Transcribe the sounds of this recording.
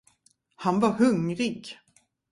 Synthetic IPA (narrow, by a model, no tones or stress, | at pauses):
hanvahɵŋɾiɡ